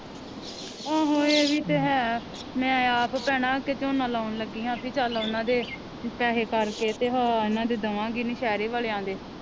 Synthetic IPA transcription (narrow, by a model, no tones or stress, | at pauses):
ãːɦoːeːʋiːt̪eːɦɛː | mɛ̃ːaːppɛːɽãːkeːt͡ʃoːnãːlaːʊnləɡiːɦãːpʰit͡ʃalːʊnãːd̪eː | pɛːɦeːkəɾkeːt̪eːɦaːɪnãːd̪eːd̪əʋãːɡiːnĩːʃɛːɾeːʋaːleːãːd̪eː